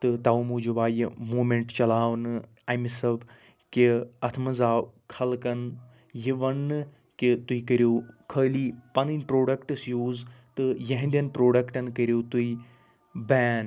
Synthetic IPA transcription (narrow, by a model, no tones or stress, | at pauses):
t̪ɨt̪aːumuːd͡ʒuʋaːjmuːmẽɳʈt͡ʃɐlaːʋnɨ | ɐjmisɐb | kiɐt̪ʰmɐzaːkʰɐlkɐn | jiʋɐnːɨ | kit̪uikəɾjoːkʰəːliːpɐnɨnpɾoːɖɐkʈɨsjuːzt̪ɨjɐɦĩnd̪ʲɐnpɾoːɖɐkʈɐnkəɾjoːt̪ui | bɛːn